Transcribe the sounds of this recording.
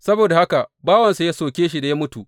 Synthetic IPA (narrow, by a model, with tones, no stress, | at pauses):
sɐ˦boː˨da˨ha˦ka˨ʔbaː˦wɐ˨nsa˨ja˦soː˨kʲeː˦ʃi˦˨da˨ja˦mʊ˦tu˨ʔ